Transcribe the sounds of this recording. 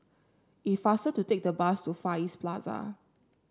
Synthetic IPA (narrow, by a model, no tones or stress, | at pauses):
itfastəd̚tːutek̚dəbastufaisplaza̰